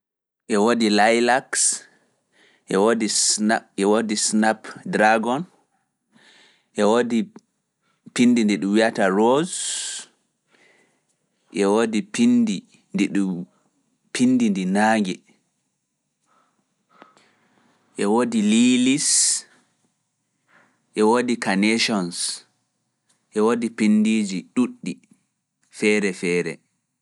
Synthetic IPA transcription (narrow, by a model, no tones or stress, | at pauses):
ʔɛwodilajlaks | ʔɛwodisaɛwodisnapdɾaɡɔn | ʔɛwodi | pindindɛɗumwiataɾoz | ʔɛwodipindi | ndɛɗu | pʰindindinaːŋɡɛ | ʔɛwoːdililis | ʔɛwoːdikanɛʃɔns | ʔɛwodipindiːd͡ʒiɗuɗːi | fɛːɾɛfɛːɾɛ̰